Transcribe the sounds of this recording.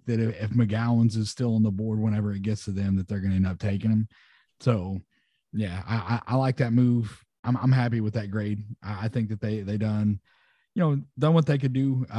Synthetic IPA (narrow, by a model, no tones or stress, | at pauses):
ðɨɾɪɪfmɨɡælˠə̃nzɨz̥stɪlˠə̃nðəbɔɹd̚wə̃ɾ̃ɛvə˞ɨt̚ɡ̥ɛtstʰɨðɨ̃mðɨt̪̚ðə˞ɡʌnɨɨ̃nʌp̚tʰeɪkɨ̃ŋɨ̃m | soʊ | jæa̰ɪʔa̰ɪʔa̰ɪlaɪk̚ðɨt̚muv̥ | ãɪ̃mãɪ̃mɦæpiwəðɨt̚ɡ̥ɹeɪd̥̚ʔaɪaɪθɪ̃ŋk̚ðɨt̪̚ðeɪðeɪdʌ̃n | jɨnoʊdʌ̃nwʌt̪̚ðeɪkɨdɨ